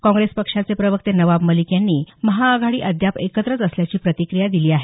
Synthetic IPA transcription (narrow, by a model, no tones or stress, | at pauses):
kɔ̃ŋɡɾespəkʂat͡sepɾəʋək̚t̪enəʋabməlikjanːiːməɦaːɡʱaɽiːʔəd̪ʱjapekət̪ɾət͡səsljat͡ɕiːpɾət̪ikɾijad̪iliːaɦe